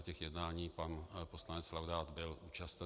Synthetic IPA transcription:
cɛxjɛdnaːɲiːpanpo̞slanɛt͡slawdaːt̪bɪlʔuːt͡ʃast̪

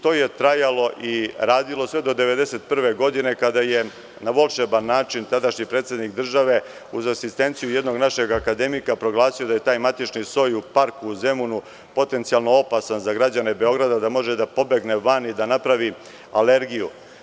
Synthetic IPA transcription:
t̪o̞je̞t̪ɾajalo̞ʔiɾaːd̪ilo̞sʋe̞d̪o̞d̪eʋe̞d̪e̞se̞t̪̚pr̩ʋe̞ɡo̞d̪ine̞kad̪aje̞ | naʋo̞lˠʃebanːaːt͡ʃint̪ad̪aʃɲipɾeːt̪se̞d̪nikd̪r̩ʒaʋe̞ | uzasist̪e̞nt̪sijuje̞d̪no̞ɡnaʃe̞ɡakad̪e̞mikapɾo̞ɡlˠaːsijoaje̞t̪aːjmat̪it͡ʃniso̞jupaɾkuze̞munu | po̞t̪e̞nt̪sijalno̞o̞pasanzaɡɾad͡ʑane̞be̞o̞ɡɾad̪ad̪amo̞ʒed̪apo̞be̞ɡne̞ʋanid̪anapɾaʋi | ale̞ɾɡijṵ

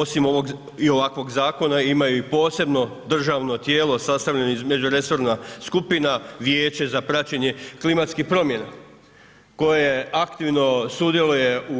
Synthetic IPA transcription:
osimo̞ʋo̞ɡ | io̞ʋakʋo̞ɡzaːko̞naimajuipo̞ːse̞bno̞d̪r̩ʒaʋno̞t̪je̞ːlo̞sast̪aʋʎenoizme̞d͡ʑuɾe̞so̞ɾnaskupinaʋje̞ːt͡ɕe̞zapɾat͡ɕe̞ɲe̞klimat̪skihpɾo̞mje̞na | ko̞jeakt̪iʋno̞sud̪je̞luje̞u

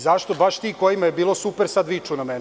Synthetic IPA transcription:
zaʃt̪o̞baʃt̪iːkojimajebiːlˠo̞supeɾsad̪ʋit͡ʂunamen

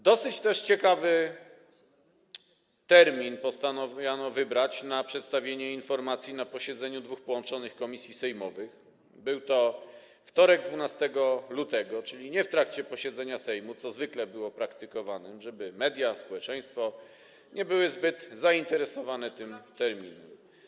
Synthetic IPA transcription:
d̪ɔsɘt͡ɕt̪ɛʂt͡ɕɛkavɘ | t̪ɛɾmʲinpɔst̪anɔvjanɔvɘbɾat͡ɕnapʂɛt̪st̪avʲjeɲɛinfɔɾmat̪sʲjinapɔɕɛd̪zɛɲud̪vuxpɔwɔnt͡ʂɔnɘxkɔmʲisʲjisɛjmɔvɘx | bɘwt̪ɔ | ft̪ɔɾɛɡ̚d̪vunast̪ɛɡɔlut̪ɛɡɔt͡ʂɘlʲiɲɛft̪ɾakt͡ɕɛpɔɕɛd̪zɛɲasɛjmut̪sɔzvɘklɛbɘwɔpɾakt̪ɘkɔvanɘmʐɛbɘmɛd̪ʲjaspɔwɛt͡ʂɛj̃st̪fɔ | ɲɛbɘwɘzbɘt̪zaint̪ɛɾɛsɔvanɛt̪ɘmt̪ɛɾmʲinɛm

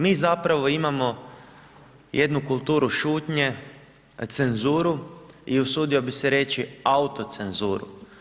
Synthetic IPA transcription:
miːzapɾaʋo̞imamo̞ | jʔed̪nukulˠt̪uːɾuʃuːt̪ɲe̞ | t̪se̞nzuːɾuiusuːd̪io̞bise̞ɾet͡ʃiaut̪ot̪se̞nzuːɾṵ

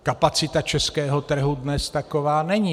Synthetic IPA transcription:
kapat͡sɪt̪at͡ʃɛskɛːɦot̪r̩ɦudnɛst̪akovaːnɛɲi

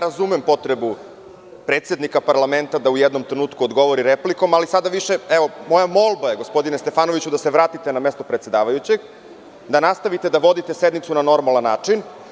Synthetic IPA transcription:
ɾazumempo̞t̪ɾe̞bu | pɾet̪se̞d̪nikapaɾlˠament̪ad̪aujɛd̪no̞mt̪ɾenuːt̪kuod̪ɡo̞ʋoɾiɾepliko̞malisad̪aʋiʃeɛʋo̞mo̞jamo̞lˠbajeɡo̞spo̞d̪inest̪e̞faːnoʋit͡ɕud̪aseʋɾaːt̪it̪enamest̪opɾet̪se̞d̪aːʋajut͡ɕeɡ | d̪anast̪aʋit̪ed̪aʋod̪it̪e̞sed̪nit̪sunano̞ɾmalanːaːt͡ʂin

